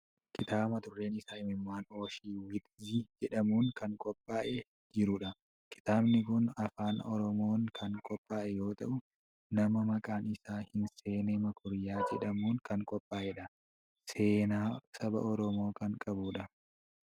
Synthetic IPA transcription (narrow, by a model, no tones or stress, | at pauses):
kɪt̪aːmɐt̪ʊrːe̞ːnɪsaːɪmɪmːaːnoːʃiːwɪt̪jɪd͡ʒɛᶑɐmuːŋkɐŋkʼɔpʼːaːʔɛ | d͡ʒɪɾʊᶑɐ | kɪ̥t̪aːbnɪkʊnɐfaːnɔɾɔmoːŋkʰɐŋkʼɔpʼːaːʔɛjo̞ːt̪ɐ̰ʔʊ | nɐmɐmɐkʼaːnɪsaːhɪnse̞ːnɛmɐkʰʊɾjaːd͡ʒɛᶑɐmuːŋkɐŋkʼɔpʼːaːʔɛᶑɐ | se̞ːnaːsɐbɐ̰ʔɔɾɔmo̞ːkɐŋkʼɐbuᶑɐ